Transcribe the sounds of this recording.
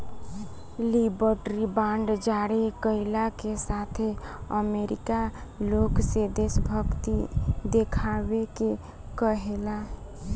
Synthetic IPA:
libəɾʈɾibaɳɖd͡ʒaɽekəɪlakesat̪ʰeəmeɾikaloksed̪esbʱəkt̪id̪ekʰabeke | kəɦela

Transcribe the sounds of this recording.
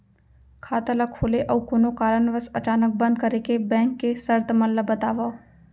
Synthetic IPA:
kʰaːt̪əlakʰoːleʔəukoːnokaːɾəɳʋəsət͡ʃaːnək̚bə̃nd̪̚kəɾekebɛ̃ːŋkːesəɾt̪məlləbət̪aːʋaː

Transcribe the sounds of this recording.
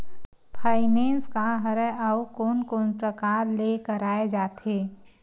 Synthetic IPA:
pʰaːɪnẽːnskaɦəɾɛʔaukoːnkoːnpɾəkaːɾlekəɾaːed͡ʒaːt̪eː

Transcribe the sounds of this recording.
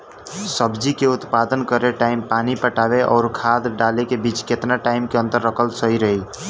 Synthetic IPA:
səbd͡ʒikeʊt̪paːd̪ənkəɾeʈaɪmpaːnipəʈaːbeʔɔːɾkʰaːd̪ɖalekebiːt͡ʃket̪naʈaɪmkeə̃nt̪əɾːəkʰəlsəɦiɾəɦi

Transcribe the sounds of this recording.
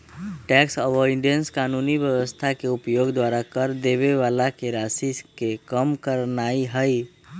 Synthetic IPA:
ʈɛksəʋɔiɖijənskaːnunibjəwəst̪ʰakeupjoɡd̪waɾakəɾd̪eβeʋalakeɾasiskekəmkəɾnaiɦəj

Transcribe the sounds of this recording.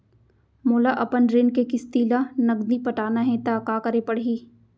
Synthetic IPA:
moːlaʔɐpənɾɪnkekɪst̪iːlanɐɡd̪ipɐʈaːnaɦɛ̃t̪akaːkɐɾepɐɽɦiː

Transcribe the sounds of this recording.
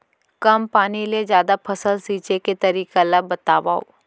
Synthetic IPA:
kɐmpaːniled͡ʒjaːd̪apʰɐsəlsiːt͡ʃeket̪ɐɾiːkalɐbbɐt̪aːʋa̰ːo̰

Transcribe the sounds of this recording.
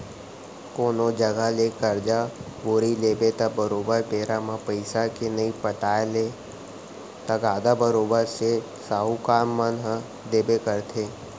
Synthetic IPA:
koːnod͡ʒəɡalekəɾd͡ʒa | bʊɾileːbeːt̪abəɾoːbəɾpeːɾamãpəɪsakenɐipəʈaːle | t̪əɡaːd̪abəɾoːbəɾse | saːɦukaːmːənɦə | d̪eːbekəɾt̪ʰeː

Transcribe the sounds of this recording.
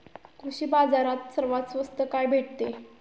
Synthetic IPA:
kʰuɕiːbad͡zaɾat̪səɾʋat̪sʋəst̪əkajbʱeʈ̚t̪e

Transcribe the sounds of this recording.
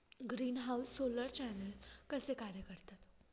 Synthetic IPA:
ɡɾiːnɦawsːoləɾt͡ɕɛnəlkəsekaɾjəkəɾt̪ʰət̪o̥

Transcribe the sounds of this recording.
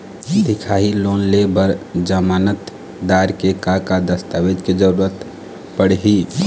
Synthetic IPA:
d̪ikʰaɦilonlebəɾd͡ʒəmanət̪ | d̪aɾkekakad̪əst̪aʋed͡ʒked͡ʒəɾuɾət̪ | pəɽɦi

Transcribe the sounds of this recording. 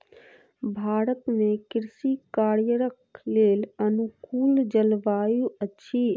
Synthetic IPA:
bʱaːɾət̪mẽkɪɾsikaːɾjəɾəkʰleːlənʊkuːld͡ʒəlʋaːjuətːʃʰi

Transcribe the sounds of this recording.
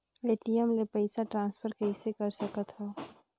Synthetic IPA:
eʈijəmlepəɪsaʈɾãːnspʰəɾkəɦisekəɾsəkət̪ɦɛ

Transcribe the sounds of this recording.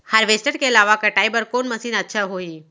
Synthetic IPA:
hɐɾʋeːsʈəɽkeɪlaːʋakɐʈaːibəɾkoːnmɐsiːnɐtːʃʰaɦoːiː

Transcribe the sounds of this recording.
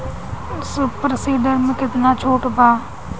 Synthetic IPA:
ʊspɾəsiːɖəɾmẽkɪt̪nãːt͡ʃʰoːʈbaː

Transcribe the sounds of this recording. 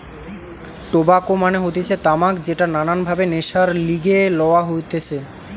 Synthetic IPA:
ʈobakomaneɦot̪et͡ɕʰet̪amakd͡ʑeʈanananbʱabeneʃaɾliɡelɔoaɦojt̪et͡ɕʰe

